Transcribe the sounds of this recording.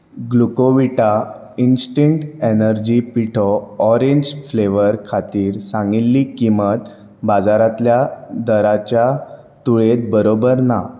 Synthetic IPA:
ɡlukoʋiʈa | insʈiɳʈenəɾd͡ʑipiʈʰɔɔɾeɲd͡ʑfleʋəɾkʰat̪iːɾsãŋɡilːikimət̪ | bad͡zaɾãt̪ljad̪əɾat͡ɕja | t̪uɭet̪̚bəɾobəɾna

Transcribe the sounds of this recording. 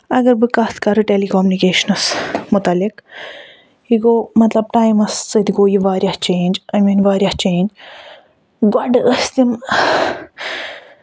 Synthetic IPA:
ɐɡɐɾbɨkat̪kɐɾɨʈelikoːmunikeːʃɐnɐsmʊt̪ɐlik | iɡoːmɐt̪lɐb̚ʈaːjmɐst͡sɐt̪iɡoːjiʋaːɾjaht͡ʃeːnd͡ʒɐjmiːnʋaːɾʲjɐht͡ʃeːnd͡ʒ | ɡɔɖəst̪im

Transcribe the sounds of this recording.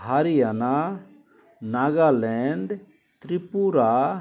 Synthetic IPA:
aɾijana | naːɡalɛɳɖ | t̪ɾipuɾa

